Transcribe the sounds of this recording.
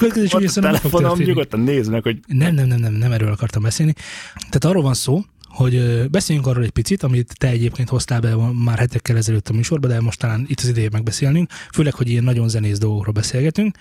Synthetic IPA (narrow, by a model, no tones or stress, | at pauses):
køɛt̪kɛzeːʃisonɛfokfonoɲuɡot̪ːɒnneːzmɛkhoɟnɛmnɛmnɛmnɛmnɛmɛɾøːlɒkɒrt̪ɒmbɛseːlnit̪ɛːt̪ɒrːoːlvɒnsoː | ho̞ɟbɛseːljyŋkɒrːoːlɛc̚ʲpit̪sit̪ɒmit̪ːɛɛɟeːp̚keːnt̪ho̞st̪aːlbɛmaːrhɛt̪ɛkːɛlɛzɛløːt̪ːɒmyːʃo̞rbɒd̪ɛmo̞ʃt̪ɒlaːnit̪ːɒzid̪ɛjemɛɡ̚bɛseːlnyŋkføːlɛkho̞ɟijɛnːɒɟo̞nzɛneːzd̪o̞lɡokroːlbɛseːlɡɛt̪yŋk